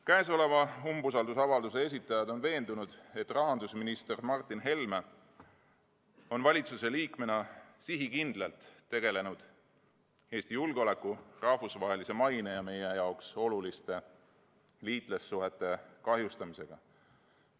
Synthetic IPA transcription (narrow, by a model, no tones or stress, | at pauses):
kæes̬o̞le̞vɑumbusɑld̪usɑvɑld̪us̬e̞e̞s̬it̪ːˑɑjɑd̪̥o̞nve̞ːnd̪̥unud̪̥e̞t̪ːrɑɦɑnd̪̥usminist̪ermɑrt̪ːˑinɦe̞lme | o̞nvɑlʲit̪suse̞liːkme̞nɑsiɦikind̪̥lelt̪ːe̞ɡ̥e̞le̞nud̪̥ | e̞ːst̪ijulɡ̥eo̞le̞kːˑurɑhfusvɑɦe̞lise̞mɑjnejɑme̞jejɑokso̞lulist̪e̞ | liːt̪ˑle̞sːuɦe̞t̪ːˑe̞kɑɦjust̪ɑmise̞ɡ̥ɑ̰